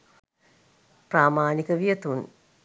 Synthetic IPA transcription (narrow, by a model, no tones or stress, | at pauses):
praːmaːnikəʋijət̪un